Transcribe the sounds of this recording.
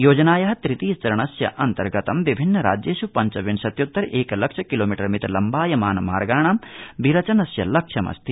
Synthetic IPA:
joːd͡ʒɐnaːjɐɦɐt̪ɾit̪iːst͡ʃɐɾɐɳɐsjɐ̰ʔɐnt̪ɐɾɡɐt̪ɐmʋibʱinːɐɾa̰ːd͡ʒjeːʃupɐɲt͡ʃɐʋiɳsɐt̪jut̪ːɐɾeːkɐlɐkʂɐkiloːmiʈɐɾmit̪ɾɐlɐmbaːjɐmaːnɐma̰ːɾɡaːɳaːmbiɾɐt͡ʃɐnɐsjɐlɐkʂʰɐmɐ̰st̪ʰi

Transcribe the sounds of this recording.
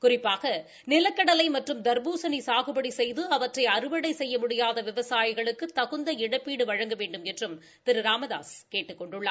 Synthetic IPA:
kʊrɪpːaːɣɐ | nɪlɐkːɐɽɐlɐɪmɐʈrɯmd̪ɐɾbuːsɐnisaːɣɯbɐɽisɛjðɯɐʋɐʈrɐɪɐrɯʋɐɽɐɪsɛjːɐmʊɽɪjaːðɐʋɪʋɐsaːjɪɣɐɭɯkːɯt̪ːɐɣɯnd̪ɐɪɽɐpːiːɽɯʋɐɻɐŋɡɐʋeːɳɖɯmɛndrɯm | t̪ɪɾɯɾaːmɐða̰ːskeːʈːɯkːɔɳɖɯɭːɐ

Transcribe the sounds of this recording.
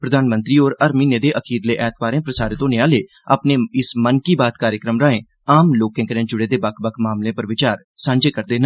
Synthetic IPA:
pɾəd̪aːnmənt̪ɾiːoːɾəɾmiːneːd̪eːʔəkʰiːɾleːʔɛːt̪ʰʋaːɾẽːpɾəsaːɾeːt̪õːnɪaːleː | a̰ːpneːɪsmənkiːbaːt̪kaːɾjəkɾəmɾəːẽː | aːmloːkẽːkəɾẽːd͡ʒʊɽeːd̪eːbəkʰbəkʰmaːmlẽːpəɾʋɪt͡ʃaːɾ | sãːɲd͡ʒeːkəɾd̪eːɦnə

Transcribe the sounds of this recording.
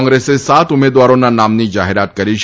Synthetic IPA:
ŋɡɾesesat̪umed̪ʋaɾonanamnid͡ʒaɦeɾat̪̚kəɾiʃ

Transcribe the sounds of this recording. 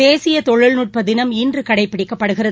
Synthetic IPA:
eːsɪjɐt̪ɔɻɯɭnuʈ̚pɐd̪ɪnɐmiːndrɯkɐɽɐɪpːɪɽɪkːɐpːɐɽɯɣɪrɐð

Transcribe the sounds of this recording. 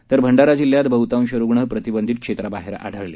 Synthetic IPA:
t̪əɾbʱəɳɖaɾad͡ʑilːjat̪bəɦut̪aw̃ɕəɾuɡɳəɦpɾət̪ibənd̪ʱit̪̚kʂet̪ɾaba̰ɦeɾa̰ɽ̤ʱəɾle

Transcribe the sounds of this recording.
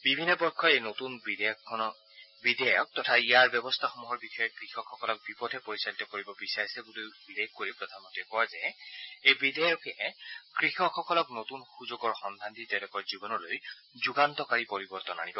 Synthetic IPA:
bibʱinːɔbɔɹkʰːɔejnotunbidkɔnɔ | bidɛjɔk̚tɔtʰaijaɹbjɔbɔstʰaxomuɦɔɹbixɔjɔkɹixɔkʰːɔkɔlɔk̚bipɔdʱɛpoɹisalitɔkoɹibɔbisaɹisɛbulejbidejɔkːoɹipɹɔd̪ʰʱamɔntɛkɔwazɛejbidɛjɔkʰɛɛkɹixɔkʰːɔkɔlɔknotunxuzoɡɔɹxɔndʱanditɛtɛkɔɹzibɔnɔloj | zuɡantɔkaɹipɔɹibɔɹtɔna̰nibɔ

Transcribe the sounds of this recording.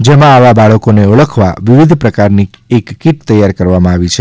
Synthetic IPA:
d͡ʒemãaʋabaɭəkoneəɭəkʰʋa̰ʋiʋid̪ʱpɾəkaɾniekːiʈt̪əjaɾkəɾʋamãaʋit͡ʃʰe

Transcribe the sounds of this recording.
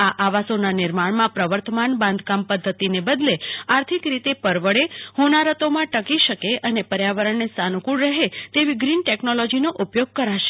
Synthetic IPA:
aʔaʋasonanɪɾmaɳmãpɾəʋəɾt̪əmanbãnd̪ʱkampəd̪ʱːət̪inebəd̪leaɾt̪ʰikɾit̪epəɾʋəɭehonaɾət̪omãʈəkiʃəkeʔənepəɾjaʋəɾəɳnest̪anukuɽɾəɦet̪eʋiɡɾinʈeknolɔd͡ʒinoʔupjoɡ̚kəɾaʃe̥

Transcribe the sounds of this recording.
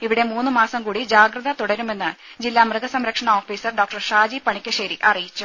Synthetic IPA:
iʋiɽe̞muːnːɨmaːsɐmkuːɽid͡ʑaːɡɾɐðɐt̪uɽɐɾume̞nːɨd͡ʑilːaːmrɨɣɐsɐmɾɐkʂɐɳɐoːfiːsɐrɖoːk̚ʈɐrʂaːd͡ʑipɐɳikʲːɐʂɐɾiʔɐrijit͡ɕːu

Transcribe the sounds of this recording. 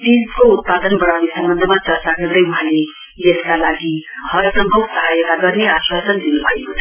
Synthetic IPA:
t̪id͡zkout̪̚pad̪ʌnbʌɽ̃awnesʌmbʌnd̪ʱəmat͡sʌɾt͡saɡʌrd̪ʌjuɦãle | eskalaɡihʌɾsʌmbʱʌwsʌɦajek̪aɡʌrneaswasʌnd̪inubʱʌeko

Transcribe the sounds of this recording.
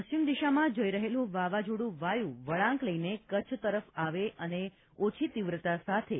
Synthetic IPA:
pəɕt͡ʃimd̪iʃamãd͡ʒoiɾəɦelũʋaʋad͡ʒoɽũʋajũʋəɭãŋkləjnekət͡ʃʰt̪əɾəfaʋeʔəne | ot͡ʃʰit̪iʋɾət̪asat̪ʰe

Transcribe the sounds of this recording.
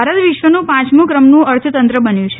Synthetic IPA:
aɾət̪ʋɪʃʋənũpãt͡ʃmũkɾəmnũəɾt̪ʰət̪ənt̪ɾəbənjũt͡ʃʰe

